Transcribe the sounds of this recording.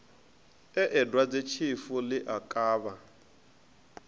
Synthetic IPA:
ɛʔɛdwad͡zet͡ʃʰifulɪʔakʼaːβa

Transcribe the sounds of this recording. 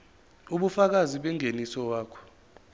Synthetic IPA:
uɓufak̬aziɓɛŋenisɔwaːkʰɔ̥

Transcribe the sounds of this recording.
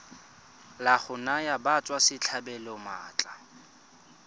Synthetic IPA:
laχʊnajabat͡sʼwasɪt͡ɬʰabɛlɔma̰ːt͡ɬʼa

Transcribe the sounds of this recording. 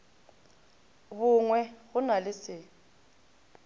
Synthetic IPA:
bʊŋwɛɣʊnalɪsɪ

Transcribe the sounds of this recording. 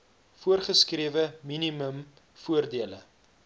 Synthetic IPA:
fuərχəskriəvəminiməm | fuərdiələ

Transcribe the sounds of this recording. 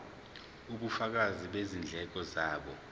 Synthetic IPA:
uɓufak̬aziɓezind͡ɮʱɛk̬ʼɔzaːɓɔ

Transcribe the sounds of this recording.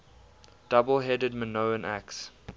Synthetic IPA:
d̥abəlˠɦɛdəd̚mənoʊə̃nʔæ̰ks

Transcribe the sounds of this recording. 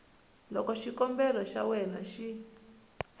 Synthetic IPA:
lɔkɔʃikɔmbɛlɔʃa̰wɛna̰ʃi

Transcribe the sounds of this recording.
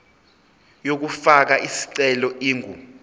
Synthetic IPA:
jok̬ufak̬aʔisi̥ǀɛlɔʔiːŋʱṵ

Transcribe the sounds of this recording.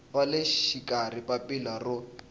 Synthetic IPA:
waleʃikʼaripapilarʊ

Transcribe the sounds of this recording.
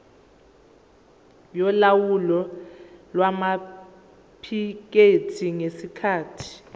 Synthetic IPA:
jɔlawulɔ | lwama | pʰik̬etʰiŋesikʰaːtʰi̥

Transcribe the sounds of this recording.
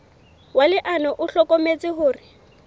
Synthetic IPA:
walɪʔanɔʔʊɬɔkomet͡sʼɪɦʊːrɪ

